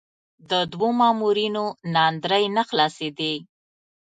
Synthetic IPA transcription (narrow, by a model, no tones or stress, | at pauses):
d̪əd̪womɑmuɾinonɑnd̪ɾəjnaxlɑsed̪i